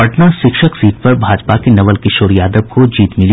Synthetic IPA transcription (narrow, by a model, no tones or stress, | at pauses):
ɐʈnaʃɪkʃəksiːʈ̚pɐɾbʱaːd͡ʒpakenɐʋəlkɪʃoːɾjaːd̪əbkod͡ʒiːt̪mɪli